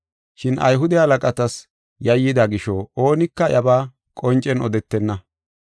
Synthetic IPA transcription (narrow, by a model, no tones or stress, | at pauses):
ʃɪnʔɐ̰jɦʊd̪ɛhɐlɐkʼɐt̪ɐs | jɐjːɪd̪ɐɡɪʃɔoːnɪkːɐjɐbaː | kʼɔnt͡ʃʼːɛnɔd̪ɛt̪ːɛnːɐ